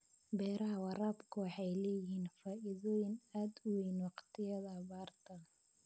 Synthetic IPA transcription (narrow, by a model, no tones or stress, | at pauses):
bɛːɾɐɦɐwɑraːbkʰʊwɑħɑjlɛːjɪɦiːnfaːʔɪðɔːjɪnaːd̪ʊwijnwɑqt̪ʰɪjɐðɐbaːrt̪ʰɐ